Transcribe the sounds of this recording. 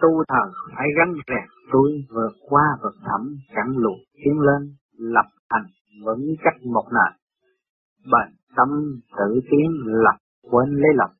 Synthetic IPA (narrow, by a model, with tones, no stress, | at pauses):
t̪u˧t̪ʰəː˨˩faː˧˦jɣa˧ŋzɛ˨˩k̚t̪u˧jvɨ˨˩ət̚kwaː˧və˨˩ət̚t̪ʰə˧˩mt͡ɕa˧˩ŋlṵ˧˨˩ət̪i˨˦əŋle˧n | lə˨˩p̚t̪a˨˩jŋ̟ | və̰˧˦ŋ˧˦t͡ɕa˦˥k̚mo˨˩k͡p̚na̰ː˨˩j | ɓaː˨˩n | t̪ə˧wŋ͡mt̪ɨ̰˧˩˨t̪i˨˦əŋlə˨˩p̚ | kwe˧nle˨˦lə˨˩p̚